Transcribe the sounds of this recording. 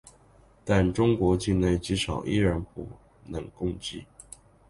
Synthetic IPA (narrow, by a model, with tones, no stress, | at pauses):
t̪a˥˩nʈ͡ʂʊ˥ŋkwɔ˧˥t͡ɕi˥˧nne˥˩ɪt͡ɕi˧˥ʂɑ˨˩ʊʔḭ˥˧ɻə˧˥npu˧˥ | nɤ˧˥ŋkʊ˥˧ŋt͡ɕi˥˩